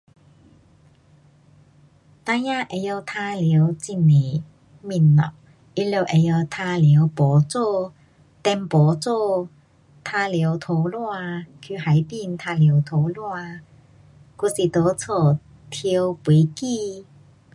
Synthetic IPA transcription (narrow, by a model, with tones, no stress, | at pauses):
t̪a˧ja˥˧˨ʔe˨˧jo˧wt̪ʰa˧li˨˦wt͡ɕi˧˩nːe˨˩ | mi˧˩nːɔ̰˨˩ | i˧˥lo˧˩ʔe˨˧jo˧wt̪ʰa˧li˨˦wpɔ˨˦t͡so˥˧ | t̪ɛ˧npɔ˨˦t͡so˥˧ | t̪ʰa˧li˨˧˦wt̪ʰo˨˥˦wlwa˥˧kʰy˧ha˨˦jpi˧nt̪ʰa˧lji˨˧˦wt̪ʰo˨˧˦wlwa˥˧ | ku˧˩si˨˩t̪o˨˦t͡sʰɔ˨˩ | t̪ʰi˧wpwe˨˦ki˥˧